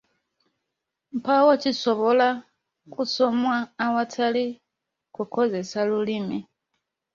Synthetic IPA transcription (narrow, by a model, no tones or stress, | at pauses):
m̩pawat͡ʃisɔβɔla | kusɔmwaːwatʰali | kukʰɔzesalulimi